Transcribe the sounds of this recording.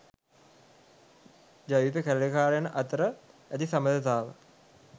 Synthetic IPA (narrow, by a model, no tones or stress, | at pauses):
d͡ʒajiːp̬ekæləlekaːɾejanəʔat̪əɾəæt̪isaməd̪ət̪aːʋə̰